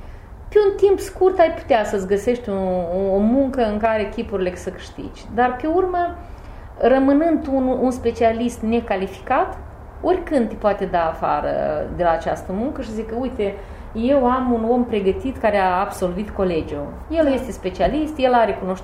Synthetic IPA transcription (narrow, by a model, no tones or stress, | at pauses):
peunt̪impskurt̪ajpu̥t̪easəsʲɡəse̞ʃt̪ʲuomuŋkəɨŋkaɾe̞kʲipuɾilesəkɨ̥ʃt̪ḭd͡ʒʲd̪arpe̞urmə | rəmɨnɨnd̪ununspe̞t͡ʃialist̪ne̞kalifi̥kat̪ | o̞rʲkɨnd̪t̪ːʲepoat̪ed̪aːfa̰ɾə̰d̪e̞laːt͡ʃast̪əmuŋkəʃiszikəujt̪e | je̞wamuno̞mpɾe̞ɡət̪it̪kaɾeaːbso̞lvit̪ko̞le̞d͡ʒʲu | je̞lje̞st̪e̞spe̞t͡ʃialist̪je̞laɾe̞kuno̞ʃt̪